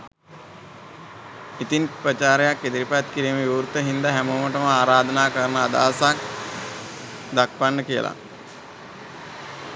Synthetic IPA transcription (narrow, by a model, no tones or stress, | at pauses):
it̪inprət͡ʃaːɾejakːed̪iɾipat̪kiɾiːmeʋiuɾt̪əɦind̪aɦæmoːməʈəməaːɾaːd̪ənaːkəɾənəad̪a̰ːsak̚ | d̪akʋanːəkijə̰lʔa̰